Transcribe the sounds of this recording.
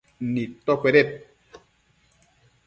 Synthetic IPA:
nitɔkɛɾɛt̚

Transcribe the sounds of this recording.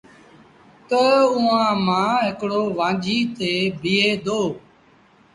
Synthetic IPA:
t̪əuːãːmãːɦɪkɽoːʋãːd͡ʒʱiːt̪eːbʱɪːeːd̪oː

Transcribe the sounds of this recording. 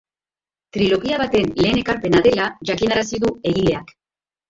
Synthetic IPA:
t̪ɾilo̞ɣiaβ̞at̪e̞nle̞ːne̞kaɾpe̞naðe̞laʝakinaɾasiðue̞ɣile̞ak

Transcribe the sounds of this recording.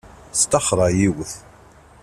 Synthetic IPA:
st̪ɑχɾˤɑjiwəθ

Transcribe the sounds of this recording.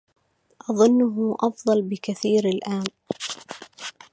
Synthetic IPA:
ʔɑðˤʊnːʊɦʊʔɑfd̪ˤɑlbɪkaθiːɾalʔaːn

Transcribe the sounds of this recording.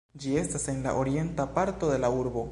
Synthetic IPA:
d͡ʒie̞stase̞nla̰ʔo̞ɾie̞ntapaɾto̞d̪e̞lauɾbo̞

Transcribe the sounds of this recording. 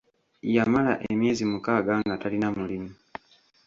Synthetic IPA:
jamala̰ʔemje̞ːzimukaːɡaŋɡatalinamulimu

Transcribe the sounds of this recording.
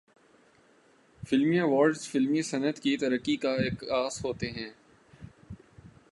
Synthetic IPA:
fɪlmiẽʋɔːɾɖzfɪlmisɐnət̪kit̪ɐɾəkːikaeːkaːzɦoːt̪eɦɛ̃ː

